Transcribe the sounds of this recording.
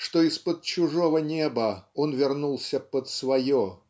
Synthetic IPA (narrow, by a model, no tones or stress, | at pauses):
ʂt̪oɪspəd̪̚t͡ɕʊʐovənʲebəonvʲɪrnulˠsʲəpət̪svɐjo